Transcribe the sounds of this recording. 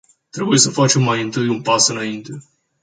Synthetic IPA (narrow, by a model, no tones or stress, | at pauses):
t̪ɾe̞buje̞səfat͡ʃe̞mːajɨnt̪ɨjunpasɨnaint̪e̞